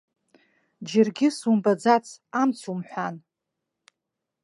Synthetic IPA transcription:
d͡ʒɪrɡʲɪsumbad͡zat͡sʰamt͡sʰumħʷan

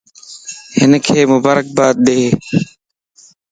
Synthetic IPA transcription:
hɪnkʰeːmʊbaːɾək̚baːt̪̚ɗ̪eː

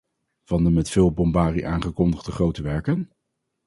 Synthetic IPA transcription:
v̥ɑndəmɛtfɪːlˠbɔmbaːriʔaːnχəkɔndəχdəχrowtəʋɛɹkən

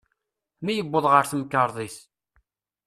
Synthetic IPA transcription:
mijəbʷːəðˤʁəɾθmkːəɾˤðˤiθ

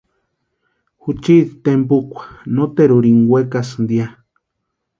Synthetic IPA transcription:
hut͡ʃit̪t̪empukʷḁnot̪eɾuɾiŋɡwekasnd̪ja

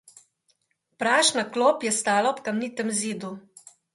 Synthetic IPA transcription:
pɾaːʃnakloːpjɛst̪aːlaɔpkamniːt̪ɛmziːd̪u

